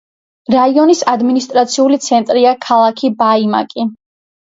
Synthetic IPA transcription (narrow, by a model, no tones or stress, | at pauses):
ɾaiɔnisad̪minist̪ʼɾat̪sʰiulit̪sʰɛnt̪ʼɾiakʰalˠakʰibaima̰kʼi